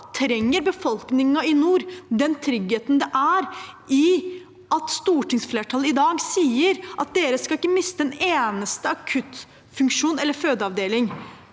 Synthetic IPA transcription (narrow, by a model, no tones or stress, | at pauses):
t̪ʰɾɛŋːəɾbəfɔlknɪŋɑɪnuːɾd̪ɛnt̪ʰɾʏɡheːt̪n̩d̪ɛʔæɾɪ | ɑt̪st̪uːʈʰɪŋsfleːʈʰɑləɪd̪ɑːɡsiːəɾʔɑt̪̚d̪eːɾəskɑɪkːəmɪst̪əɛneːnəst̪əɑkʰʉt̪ | fʉŋkʂuːnɛlːəɾføːd̪əɑʋd̪eːlɪŋ